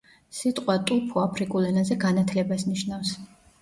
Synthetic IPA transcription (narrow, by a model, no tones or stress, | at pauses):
sit̪ʼqʼwat̪ʼupʰuapʰɾikʼulɛnazɛɡanat̪ʰlɛbasniʃnafs